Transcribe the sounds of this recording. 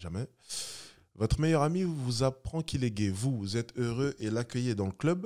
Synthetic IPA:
ʒamɛ | vɔt̪χəmejœʁamivuzapχɑ̃kilɛɡʲɛvuzɛt̪øʁøʔelakʲœjed̪ɑ̃ləklœb

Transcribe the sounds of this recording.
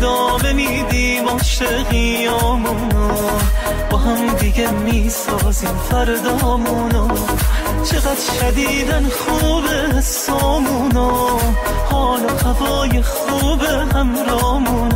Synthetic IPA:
d̪ɒːme̞miːd̪iːmɒːʃeʁiːjɒːmu | nɔ | bɒɦamd̪iɡaɾmiːsɒːziːmfæɾd̪ɒːmunɔː | t͡ʃʰeɣad̪ʃæd̪iːd̪ænχuːbeɦes | ɒːmunɒ | hɒːnohavɒːjeχuːbehæmɾɒːmun

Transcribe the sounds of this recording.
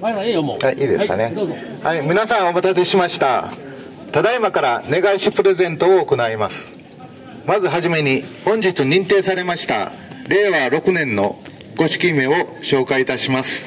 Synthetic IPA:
aʔiːd̪eskne | haimʲinasãɰ̃o̞mat̪ase̞ɕimaɕi̥t̪a̰ | t̪ad̪aimakaɾane̞ɡaiɕipɯ̟ɾe̞zẽ̞nt̪o̞ːko̞naimasɨ̥ | mazɨɦaʑime̞ɲ̟ihõ̞ɲ̟d͡ʑit͡sɨɲ̟ĩnt̪e̞ːsaɾe̞maɕi̥t̪a̰ | ɾe̞ːβaːɾo̞kɯ̟nẽ̞nːo̞̰ | ɡ̥o̞ɕi̥kʲime̞o̞ɕo̞ːkait̪aɕimasɨ̥

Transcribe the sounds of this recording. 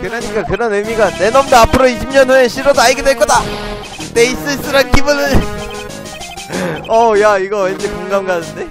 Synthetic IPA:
kɯɾaɲik͈akɯɾʌnɯmiɡane̞nʌmdeapʰɯɾoiɕʰimɲʌnɦoeɕʰiɾodoaɭɡedweɭk͈ʌda | te̞is͈ɯɭs͈ɯɾankibɯnɯn | ʌjaiɡʌwend͡ʑekoŋɡamɡanɯnde̞

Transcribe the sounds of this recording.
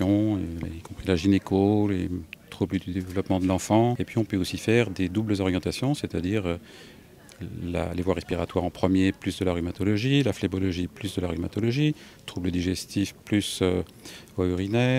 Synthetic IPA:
ɔ̰̃ikɔ̃pχilaʒinekʰolet̪χubləd̪yd̪evlɔpmɑ̃d̪əlɑ̃fɑ̃epɥiɔ̃pøosifɛʁd̪ed̪ubləzɔʁjɑ̃t̪asjɔ̃set̪ad̪iʁø | la̰levwaʁɛspiʁat̪waʁɑ̃pχəmjeplysd̪əlaʁymat̪ɔlɔʒilaflebɔlɔʒiplysd̪əlaʁymat̪ɔlɔʒi | t̪χubləd̪iʒɛst̪ifplysø | vwayʁinɛː

